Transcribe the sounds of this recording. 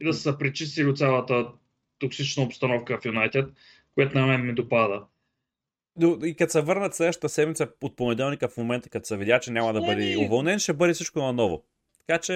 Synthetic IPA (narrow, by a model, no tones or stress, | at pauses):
id̪ɐssəpɾit͡ʃist̪ilit̪sʲjalˠət̪ə | t̪oksit͡ʃnɐopst̪ɐnɔfkəfjunajt̪ɛt̪ | kʊjat̪ʊnɐmɛnmid̪opad̪ə | noikɐt̪sɛvɤɾnət̪slɛd̪əʃt̪ə̥̆t̪əsɛd̪mit̪səot̪̚ponɛd̪ɛlˠnikəfmomɛnt̪ə̥kɐt̪sɛvid̪ʲat͡ʃɛnʲamɐd̪ɐbəd̪iovɐlˠnɛnʃɛbɤd̪isit͡ʃkonɐnɔvʊ̰ | t̪ɐ̥kat͡ʃɛ